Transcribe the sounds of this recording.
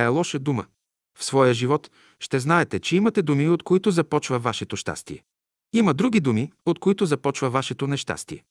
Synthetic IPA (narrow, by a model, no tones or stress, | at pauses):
ɛlˠɔʃəd̪umə | fsvɔjəʒivɔt̪ | ʃt̪ɛznaɛt̪ɛt͡ʃɛimɐt̪ɛd̪umiot̪koit̪ozɐpɔt͡ʃvɐvaʃɛt̪oʃt̪a̰st̪iɛ | imɐd̪ɾuɡʲid̪umiot̪koit̪ozɐpɔt͡ʃvɐvaʃɛt̪onɛʃt̪a̰st̪iɛ